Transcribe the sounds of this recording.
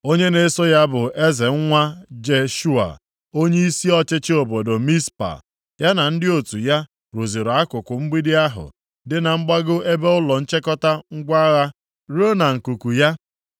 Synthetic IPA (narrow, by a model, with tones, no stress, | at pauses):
o˦ɲe˦ne˨˦so˦ja˦bʊ˨ʔe˦ze˨ŋ̩˦ŋʷa˦d͡ʒe˨ʃu˦a̰˨ | o˦ɲe˦i˦si˦ɔ˦t͡ʃɪ˦t͡ʃɪ˦o˨bo˨do˨mi˦spa̰˨ | ja˦na˨n̩˦dɪ˦o˨tu˨ja˦ | ɾo˨zi˨ɾa˦kʊ˨kʷʊ˨m̩˦ɡ͡bi˦dɪ˦a˦ɦʊ̰˨ | dɪ˦na˨ŋ͡m̩˦ɡ͡ba˦ɡʊ˦ʔe˦be˦ʊ˦lɔ˨n̩˦t͡ʃe˦kɔ˦ta˦ŋ̩˦ɡʷa˦ɣa˦ | ɾo˦na˨ŋ̩˨ku˨ku˨ja˦